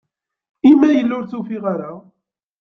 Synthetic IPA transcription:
imːæjəlːʊɾθufiʁaɾa

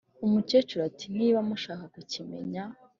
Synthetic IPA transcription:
umut͡ʃet͡ʃuɾatiniːβamuʃaːkakucime̞̰ɲa

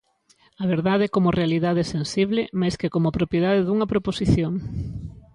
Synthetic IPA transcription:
ɐβeɾðaðɛkomʊrealiðaðesensiβ̞lɪmajskekomʊpɾopjeðaðeðuŋɐpɾoposiθjoŋ

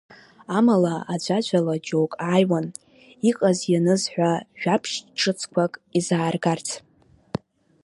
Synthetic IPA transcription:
amalaad͡ʒʷad͡ʒʷʰʼalad͡ʒowkʼaːjwan | iqʼazjanɨzħᶣʷaʒᶣapʰʃʈ͡ʂʰʼɨt͡sʰkʷʰakʼizaːrɡart͡sʰ

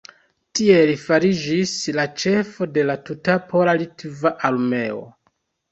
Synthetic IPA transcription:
tie̞lifaɾid͡ʒislat͡ʃe̞fo̞de̞latutapo̞lalitvaʔalme̞o̞̰

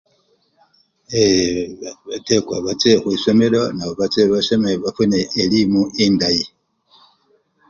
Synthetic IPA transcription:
e | βatekwa̰βat͡sexwisomeɾonaβoβat͡seβaʃemeβafuneːlimuʔindaji

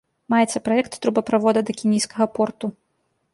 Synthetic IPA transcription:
majɛt̪sɐpɾajɛkt̪ːɾubɐpɾavɔd̪ɐd̪ɐkʲinʲijskɐɣɐpɔrt̪u

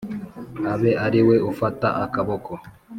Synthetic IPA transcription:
aβeʔaɾiweʔofata̰ʔakaβoko

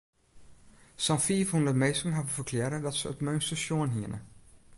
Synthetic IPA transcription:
sɑ̃nfivundəmejsəŋɦavəvəkʰlɛɾədɑtsə̰ːtmœɥnstəʃjoənɦiənə̰

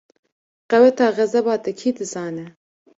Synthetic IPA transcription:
qɛwɛt̪ɑːɣɐzɛbɑːt̪ɛkʰiːd̪ɨzɑːnɛ

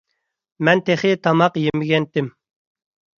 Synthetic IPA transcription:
mɛnt̪ʰeχɪt̪ʰɑmɑqjemɪɡʲɛnt̪ɪm

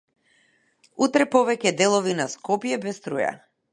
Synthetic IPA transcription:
ut̪ɾɛpɔvɛcɛd̪ɛlˠɔvinaskɔpjɛbɛst̪ɾuja̰

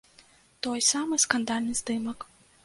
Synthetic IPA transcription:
t̪ɔjsamɨskɐnd̪alʲnɨzd̪ɨmɐk

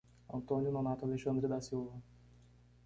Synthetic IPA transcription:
ɐ̃nt̪õnjʊnonat̪ʊaleʃɐ̃nd̪ɾɪd̪asiwvɐ

